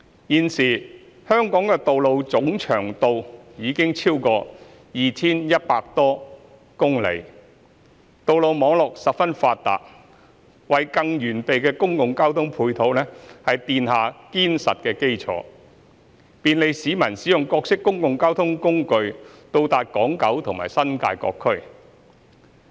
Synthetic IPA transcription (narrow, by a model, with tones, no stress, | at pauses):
jiː˨nsiː˨˩ | hœː˥ŋkɔː˨˥ŋkɛː˧t̪o˨wlo˨˧wt͡sʊ˨˥ŋt͡ʃʰœ̰ː˨˩ŋt̪o˧wjiː˨˧kɪ˥ŋt͡sʰiː˥wkɔː˧ | jiː˨t͡sʰiː˥njɐ˥t̚paː˧k̚t̪ɔː˥ | kʊ˥ŋlḛ˨˧j | t̪o˨wlo˨wmɔː˨˧˥ŋlɔː˨k̚sɐ˨p̚fɐ˥nfaː˧t̚t̪a̰ː˨t̚ | wɐ˨jkɐ˧ŋjyː˨˩npe˨jkɛː˧kʊ˥ŋkʊ˨ŋkaː˥wt̪ʰʊ˥ŋpʰuː˧jt̪ʰo˨˥wlɛː˥hɐ˨jt̪iː˨nhaː˨kiː˥nsɐ̰˨t̚kɛː˧ke˥jt͡sʰɔ̰ː˨˧˥ | piː˨nle˨˧jsiː˨˧˥mɐ˨˩nsi˨˥jʊ˨ŋkɔː˧k̚sɪ˥kːʊ˥ŋkʊ˨ŋkaː˥wt̪ʰʊ˥ŋkʊ˥ŋkɵ˧ɥt̪o˧wt̪aː˨t̚kɔː˨˥ŋkɐ˨˥wt̪ʰʊ˨˩ŋma̰ː˨˩jsɐ˥nka̰ː˧jkɔ̰ː˧kʰːɵ˥ɥ